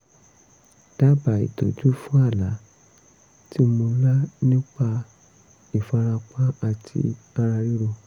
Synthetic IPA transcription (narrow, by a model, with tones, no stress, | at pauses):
d̥a˦ba˨ḭ˨to˨tu˨˦fũ˦a˦˨la˨˦ | ti˦mo˧la˦nĩ˦k͡pa˧ | i˨fa˧ɾa˧k͡pa˦a˧tʰḭ˧ | a˧ɾa˧ɾi˦ɾo˧